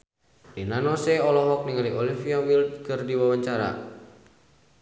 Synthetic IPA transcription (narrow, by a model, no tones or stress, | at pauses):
rinanɔsɛɔlɔɦɔk̚niŋaliɔlifiawilt̪̚kɨrdiwawaɲt͡ʃaɾa̰